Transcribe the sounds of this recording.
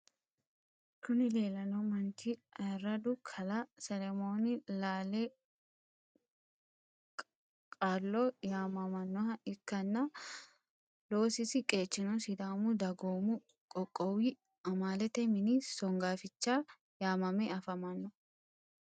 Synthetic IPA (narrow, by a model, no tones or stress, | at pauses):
kʊnɪleːlɐnɐmɐnt̪ʰiɐɾɐd̪ʊkʰɐlɐsɛlɛmo̞ːnɪlaːlɛ | kʼaːlːojaːmɐmɐnːɔhɐʔɪkːɐnːɐ | lo̞ːsɪsɪkʼe̞ːt͡ʃːɪnɔsɪd̪aːmʊd̪ɐɡoːmʊ | kʼɔkʼːɔwi | ɐmaːlɛt̪ɛmɪnisɔŋɡaːfɪt͡ʃːaː | jaːmɐmɛɐfɐmɐnːɔ